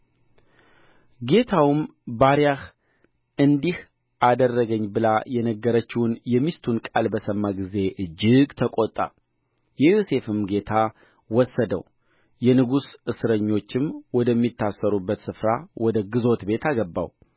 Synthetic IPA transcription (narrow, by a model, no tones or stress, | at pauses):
ɡe̞t̪ʰawmbaɾijah | ʔɨnd̪ih | ʔad̪ərːəɡəɲːbɨlajɛnəɡːəɾət͡ʃːɪwʊnjɛmist̪ʰunkʼalbəsəmːaɡize̞ʔɨd͡ʒːɪɡt̪ʰəkʼot̪ʼːa̰ | jɛjose̞fɨmɡe̞t̪ʰa | wɔsːəd̪ə̰w | jɛnɨɡusʔɨsɨɾəɲːo̞t͡ʃːɪmwɔd̪əmːit̪ʰːasːəɾubːət̪sɨfɾawʔɔd̪əɡɨzo̞t̪be̞t̪aɡəbːa̰w